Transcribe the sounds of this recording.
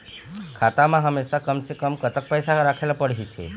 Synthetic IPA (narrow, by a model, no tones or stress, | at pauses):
kʰat̪amãɦəmːeʃakəmsekəmkət̪ək̚pəjsaɾakʰelapəɽɦit̪ʰḛ